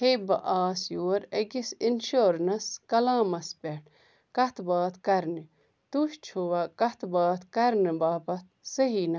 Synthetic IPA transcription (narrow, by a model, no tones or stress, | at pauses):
hebɐʔaːsjoːɾɐɡisinʃoːɾnɐskɐlãːmɐspeʈʰ | kɐt̪baːt̪kɐɾni | t̪uʃt͡ʃʰowakɐt̪baːt̪kɐɾnibaːpɐt̪̚sɐɦiːnɐ